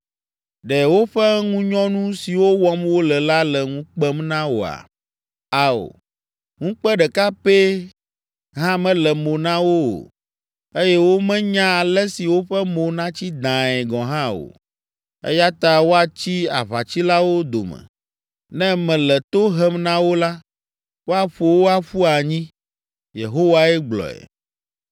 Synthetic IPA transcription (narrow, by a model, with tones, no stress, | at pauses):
ɖɛ˨wo˦ɸɛ˦ŋũ˦ɲɔ̃˦nũ˦si˨wo˦wɔ˦mwo˦lɛ˨la˦lɛ˨ŋũ˦k͡pɛ˦mnã˦wo˨a̰˨ | a˨o̰˨ | ŋũ˦k͡pɛ˦ɖɛ˨ka˦pe˦ | ɦã˦mɛ̃˦lɛ˨mo˨nã˦wo̰˦˨ | e˦jɛ˦wo˦mɛ̃˦ɲã˦a˨lɛ˦si˨wo˦ɸɛ˦mo˨nã˦t͡ɕi˦d̪ã˨ɛ˨ɡɔ̃˨ɦã˦o̰˨ | ḛ˦ja˦t̪a˨wo˦a˨t͡ɕi˦a̰˨βa˨t͡ɕi˦la˦wo˦d̪o̰˨mɛ̰̃˨ | nɛ̃˦mɛ̃˨lɛ˨t̪o˦ɦɛ˦mnã˦wo˦la˦ | wo˦a˨ɸo˨wo˦a˦ɸu˦a˨ɲĩ˦ | jḛ˨ɦo˦wa˦ɛ˦ɡ͡blɔ̰˨ɛ̰˨